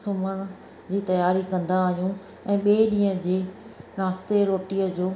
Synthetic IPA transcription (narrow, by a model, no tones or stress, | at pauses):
sʊməɽ̃ | d͡ʑiːt̪ɐjaːɾikɐ̃nd̪aːɦjũ | ɛ̃ːɓeːɗĩːə̃d͡ʑeːnaːst̪eɾoːʈiəd͡ʑoː